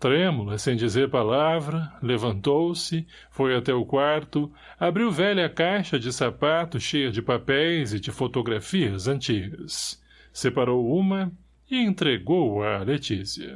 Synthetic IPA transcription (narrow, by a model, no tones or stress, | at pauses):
t̪ɾẽmulɐsẽj̃d͡ʒizeɾpalavɾɐlevɐ̃nt̪owsɪ | fojat̪ɛʊkwaɾt̪ʊ | abɾiwvɛʎɐɐkajʃɐd͡ʒɪsapat̪ʊʃejɐd͡ʒɪpapɛjzɪd͡ʒɪfot̪oɡɾafiɐzɐ̃nt͡ʃiɡɐsː | epaɾowũmɐ | ɪẽnt̪ɾeɡowɐlet͡ʃisiɐ̰